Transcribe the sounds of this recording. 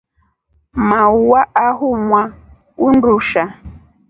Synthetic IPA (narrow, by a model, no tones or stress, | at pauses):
mauwaʔaɦumwa | unduʃa